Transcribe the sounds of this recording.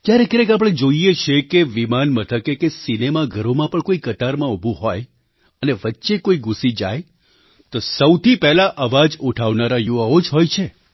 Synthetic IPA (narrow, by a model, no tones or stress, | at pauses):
k̪jaɾekeɾəkap̬ɽ̃ed͡ʒoiet͡ʃʰekeʋimanmət̪ʰəkekesinemaɡʱəɾomãpəɳkoikət̪aɾmãubʱuɦoj | əneʋətːʃekoiɡusid͡ʒa̰j | t̪osəwt̪ʰipɛɦlaʔəʋad͡ʒuʈʰaʋnaɾajuʋaod͡ʒɦojt͡ʃʰe